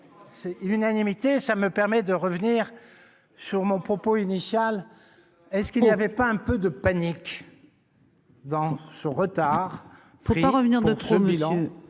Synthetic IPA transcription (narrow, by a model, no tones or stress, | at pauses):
sɛlynanimit̪esaməpɛʁmɛd̪əʁəvniːʁ | syʁmɔ̃pχɔpoinisjal | ɛskilnijavɛpaɛ̃pød̪əpanik | d̪ɑ̃sɔ̃ʁət̪aʁ | ʁipaʁəvniʁpud̪əʁsəmilɑ̃ø